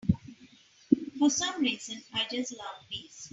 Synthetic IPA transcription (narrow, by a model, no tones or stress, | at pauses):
fɔsʌ̃mɾiːzə̃naɪd͡ʒʌslʌvpiːs